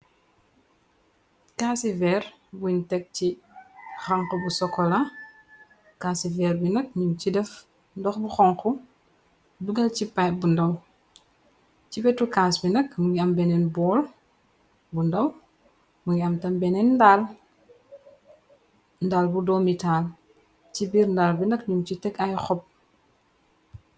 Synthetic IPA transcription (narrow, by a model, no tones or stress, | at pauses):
kasivɛr | buntɛk̚t͡ʃi | xɐŋkɔbusɔkːɔlɐ | kaːsivɛrbinɐk̚ɲumcidɛf | ndɔxbuxɔŋku | duɡɐlcipajbundɐw | cibɛtːukaːsbinɐkmuɡiɐmbɛnɛnbɔːl | bundɐw | muŋiɐmtɐmbɛnɛnːdaːl | ndaːlbudɔːmitaːl | cibiːɾndaːlbinɐkɲumcitɛkɐjxɔp̚